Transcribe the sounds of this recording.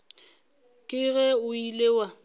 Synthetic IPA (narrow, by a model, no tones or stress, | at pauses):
kʼɪɣɛʊileːwa